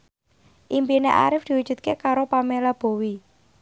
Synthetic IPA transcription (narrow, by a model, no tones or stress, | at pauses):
ʔimpineʔa̰ɾɪfd̪̥i̤wud̥ʒ̥ṳt̪̚kekaɾopamelab̥o̤wi